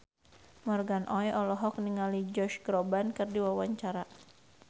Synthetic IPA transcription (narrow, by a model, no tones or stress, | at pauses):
mɔrɡanʔɔjʔɔlɔɦɔk̚niŋalid͡ʒɔʃɡɾɔbankɨrdiwawaɲt͡ʃaɾa